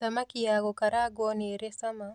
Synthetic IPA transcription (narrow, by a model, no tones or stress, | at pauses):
samakijaɣɔkaɾaɡɔniɾɛsama